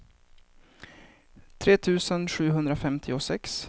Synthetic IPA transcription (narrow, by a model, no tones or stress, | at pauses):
t̪ʰɾeːt̪ʰʉ̟ːsənɧʉ̟ːɦɵnd̪ɾafɛmt̪ʰɪɔsɛks